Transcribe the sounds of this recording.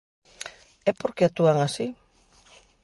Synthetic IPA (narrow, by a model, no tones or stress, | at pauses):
epoɾkeat̪uaŋasi